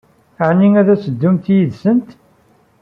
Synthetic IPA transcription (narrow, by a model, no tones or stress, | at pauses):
ʕnːiŋæðæsəd̪ːumt̪jiðsənt̪